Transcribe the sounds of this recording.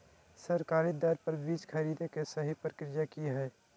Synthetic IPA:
sɐɾkaːɾid̪ɐɾpɐɾbiːt͡ʃkʰɐɾiːd̪ekesɐɦipəɾkɪɾjakiɦɛː

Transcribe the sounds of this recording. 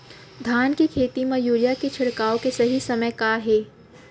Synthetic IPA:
d̪ʱaːnkikʰeːt̪imɐ̃juːɾjaket͡ʃʰɪɽkaːõkesɐɦisɐməjkaɦeː

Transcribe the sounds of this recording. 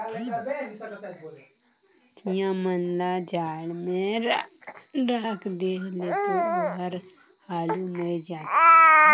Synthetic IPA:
t̪ijãmənlad͡ʒaːɭmẽɾ | ɾəkd̪elet̪oɡəɾ | haːlumɪld͡ʒaːt̪i

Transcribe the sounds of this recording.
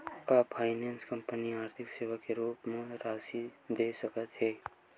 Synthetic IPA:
kapʰaːɪneːnskə̃mpəniaːɾt̪ʰɪkseːʋakeɾuːpmẽɾaːsid̪esəkət̪ɦɛː

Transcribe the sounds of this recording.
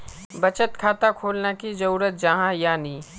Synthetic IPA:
bət͡ʃət̪kʰaːt̪akʰoːlnakizɐɾuːɾət̪̚d͡ʒɐɦãjaːniː

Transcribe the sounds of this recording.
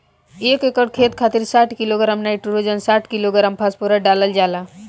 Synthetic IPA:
ekekəɽkʰet̪̚kʰaːt̪iɾsaːʈʰkiloɡɾaːmnaiʈuɾod͡ʒənsaːʈʰkiloɡɾaːmpʰaspuɾaɖaːləld͡ʒaːla

